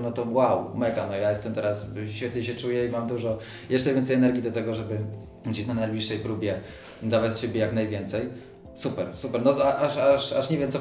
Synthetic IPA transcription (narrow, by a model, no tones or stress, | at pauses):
nɔt̪ɔwawmɛɡanɔjajɛst̪ɛmt̪ɛɾasɕfʲɛt̪ɲɛɕɛt͡ʂujɛimamd̪uʐɔ | jʔɛʂt͡ʂɛvʲɛnt̪sɛjɛnɛɾɡʲid̪ɔt̪ɛɡɔʐɛbɘ | ɡd͡ʑeɕnanajblʲiʂːɛjpɾubʲjɛ | d̪avat͡ɕɕebʲjɛjaknajvʲjɛnt̪sɛj | supɛɾsupɛɾnɔaʔaʂaʂaʂɲevjɛmt̪sɔ